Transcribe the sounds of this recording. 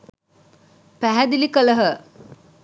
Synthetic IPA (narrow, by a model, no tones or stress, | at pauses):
pæɦæd̪ilikələɦə